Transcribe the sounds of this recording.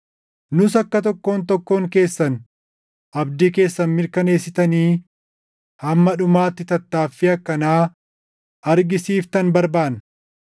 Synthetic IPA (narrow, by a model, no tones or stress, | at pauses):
nʊsɐkːɐt̪̬ɔkːo̞ːnt̪ɔkːo̞ːŋke̞ːsːɐn | ʔɐbd̪iːke̞ːsːɐnmɪɾkɐne̞ːsːɪt̪ɐniː | hɐmːɐᶑʊmaːt̪ːɪt̪ɐt̪ːaːfːɪɐkːɐnaː | ʔɐɾɡɪsiːft̪ɐnbɐɾbaːn